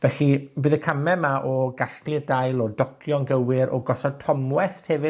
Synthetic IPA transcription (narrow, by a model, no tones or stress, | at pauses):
vɛɬibɨðəkʰamɛmaʔɔɡaɬklɪrdajlˠɔdɔkʰjɔnɡəwɪɾʔɔ̰ɡɔsɔd̚tʰɔmwɛθtʰhɛvɨ